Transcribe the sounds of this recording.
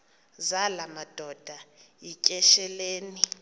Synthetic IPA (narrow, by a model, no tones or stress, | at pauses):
zalamad̥ʱɔd̥ʱajicʼɛʃɛleːni